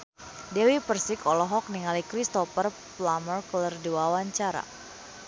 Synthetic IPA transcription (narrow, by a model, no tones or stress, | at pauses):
dɛwipərsikʰɔlɔɦɔk̚niŋalikɾist̪ɔpər | plamərkulərdiwawaɲt͡ʃaɾa̰